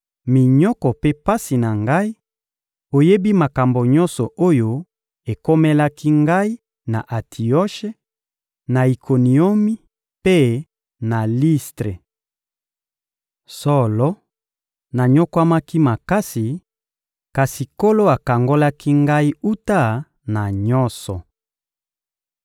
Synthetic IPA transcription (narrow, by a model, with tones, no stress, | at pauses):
mi˨ɲɔ˦kɔ˨pe˦pa˦si˨na˨ŋɡa˦i˦ | o˨je˦bi˦ma˨ka˨mbo˨ɲɔ̃˦nsɔ˨ʔo˦jo˦ | e˨ko˦mɛ˦la˦ki˦ŋɡa˦i˦ | na˨ʔa˨tʰi˨ɔ˦ʃe˦ | na˨i˨kʰo˨ni˨o˦mi˦ | pe˦ | na˨li˦stʁe˨ | sɔ˦lɔ˦ | na˨ɲo˦kwa˦ma˦ki˦ma˨ka˦si˨ | ka˨si˨ko˦lo˦a˨ka˨ŋɡo˦la˦ki˦ŋɡa˦i˦u˦ta˦ | na˨ɲɔ˦nsɔ˨